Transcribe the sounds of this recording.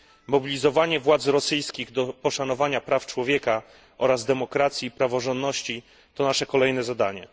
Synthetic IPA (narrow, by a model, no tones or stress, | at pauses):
mɔbʲilʲizɔvaɲɛvwad̪zɾɔsɘjskʲiɣd̪ɔpɔʂanɔvaɲapɾaft͡ʂwɔvʲjɛka | ʔɔɾazd̪ɛmɔkɾat̪sʲjipɾavɔʐɔnd̪nɔɕt͡ɕi | t̪ɔnaʂɛkɔlɛjnɛzad̪aɲɛ